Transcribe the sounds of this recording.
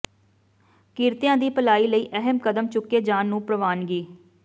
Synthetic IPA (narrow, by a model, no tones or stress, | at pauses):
kɪɾt̪jãːd̪iːpəlaːiːləiːʔəɦəmkəd̪əmt͡ʃʊkːeːd͡ʒaːnːũːpɾəʋaːnɡiː